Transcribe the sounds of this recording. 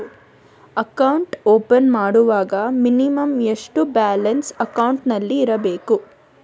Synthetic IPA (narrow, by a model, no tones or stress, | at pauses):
ɐkɐwɳʈoːpɐnmaːɽuʋaːɡɐminimɐmeʂʈubaːlɐnsɐkɐwɳʈnɐlːiːɾɐbe̞ːku